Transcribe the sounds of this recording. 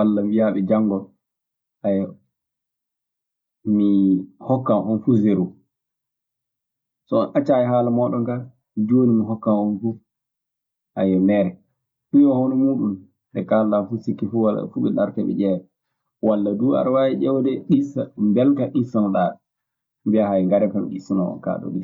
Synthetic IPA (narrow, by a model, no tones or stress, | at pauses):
walːamijaɓɛd͡ʒaŋɡɔ | ʔajɔ | mihɔkːanʔɔnfuzeɾu | sɔɔnʔat͡ʃaːjɛɦaːlamɔːɗɔŋɡa | d͡ʒoːnimiɦɔkːamɔnfu | ha̰jɛmɛːɾɛ | ɗuɔhonɔmuːɗum | dɛkaldafusikːifuwala̰fuɓɛlaɾkɛɓɛ̰d͡ʒɛwɛ | walːadua̰ɾwajɛd͡ʒɛwdɛɗisambɛltaʔisanɔɗa | mbiahajŋɡaɾɛkamḭɗisinɔ̰ɔ̰ka̰ːɗɔ̰bi